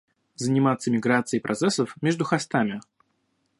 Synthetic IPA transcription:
zənʲɪmat̪sːəmʲɪɡɾat̪sɨɪpɾʔɐt̪sɛsəfmʲeʐd̪ʊxɐst̪amʲɪ

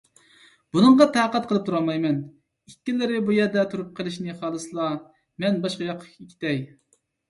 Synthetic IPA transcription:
b̥unɨŋʁɑt̪ʰæːqːət̪̚qʰəlˠɨp̚t̪ʰuɾɑlˠmɑjmɛn | ikʲːilːɪɾɪbujɛɾd̪ɛt̪ʰuɾup̚qʰəlˠɨʃnɪχɑːlˠɨsɨlˠɑ | mɛnbɑʃqɑjɑqʰːə̥kʲikʲʰi̥t̪ɛj

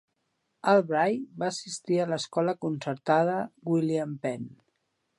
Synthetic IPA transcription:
əlˠβɾajbaːsist̪iələskɔləkunsəɾt̪að̞əɡwiliampɛn

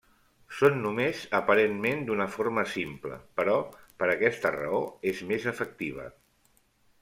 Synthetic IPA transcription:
sonːumezəpəɾenmend̪unəfoɾməsimplə̰pəɾɔpəɾəkɛst̪ərə̰oezmezəfək̚t̪iβ̞ə̰

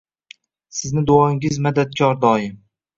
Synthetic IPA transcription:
sɪznɪd̪ʊɒɪŋɪzmad̪at̪̚kʲʰɒɾd̪ɒːjɪm

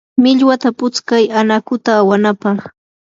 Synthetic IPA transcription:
mɪʎwat̪apʊt͡skajanakʊt̪aːwanapɑχ

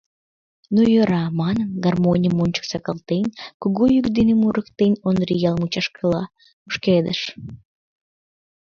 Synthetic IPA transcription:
nujøɾɑmɑnənɡɑrmonʲiəmonʲt͡ɕə̥ksɑkɑlˠt̪enʲkuɣujykd̪enemuɾəkt̪enʲonrijɑlˠmut͡ɕɑʃkəlɑ | muʃked̪ə̰ʃ

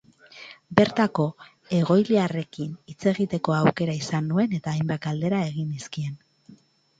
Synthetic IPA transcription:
be̞ɾt̪ako̞ | e̞ɣ̞o̞jliare̞kinit͡se̞ɣit̪e̞ko̞awke̞ɾaisanːue̞ne̞t̪aːjmbat̪ald̪e̞ɾae̞ɣ̞iniskie̞n

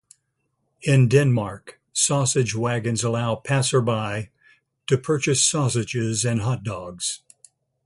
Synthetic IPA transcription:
ɪ̃ndɛ̃nmɑɹk | sɔsɨd͡ʒwæɡɨ̃nzəlaʊpʰæsə˞baɪ | ɾʰɨpʰɜ˞t͡ʃɨsɔsɨd͡ʒɪzɨ̃nɦʌt̚d̥ɔɡz̥

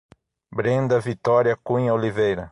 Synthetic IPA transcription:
bɾẽnd̪ɐvit̪ɔɾjɐkũɲɐolivejɾɐ

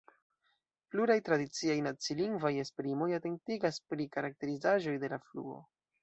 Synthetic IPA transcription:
pluɾajtɾadit͡siajnat͡siliŋɡvaje̞spɾimo̞jate̞ŋ̚tiɡaspɾikaɾak̚te̞ɾizaʒo̞jde̞laflṵo̞̰

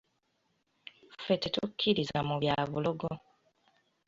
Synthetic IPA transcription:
fetetukʰːiɾizamuβjaːβuloɡo

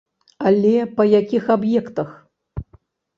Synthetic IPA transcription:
alʲɛpɐjakʲixabjɛkt̪ɐx

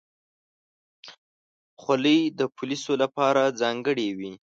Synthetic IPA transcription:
xwaləjd̪əpʊlisolapɑɾad͡zɑŋɡəɽewi

